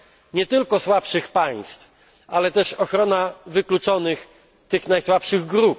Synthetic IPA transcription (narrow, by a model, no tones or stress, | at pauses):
ɲɛt̪ɘlkɔswapʂɘxpaj̃st̪f | ʔalɛt̪ɛʂɔxɾɔnavɘklut͡ʂɔnɘx | t̪ɘxnajswapʂɘɣɡɾup̚